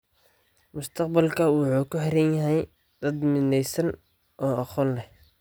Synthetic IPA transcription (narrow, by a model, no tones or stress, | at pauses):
mʊst̪ʰɐqbɐlkʰɐwɑħuːkʊħɛɾɛnjɐɦɛj | d̪̥ɐd̪mɪnɛjsɐn | ʔɔːɑqɔːnlɛh